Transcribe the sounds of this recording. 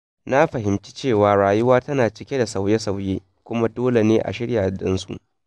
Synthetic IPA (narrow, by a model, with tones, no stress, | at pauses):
na˦ɸɐ˨ɦɪ˨mt͡ʃi˦t͡ʃeː˦˨waː˨ɽaː˨jʊ˦waː˦tɐ˦naː˨t͡ʃɪ˦kʲe˦da˨sa˨wje˦sa˨wjeː˦ | kʷʊ˦ma˦doː˦le˨neː˦ʔa̰˨ʃɪ˦ɽjaː˨dɪ˦nsṵ˨ʔ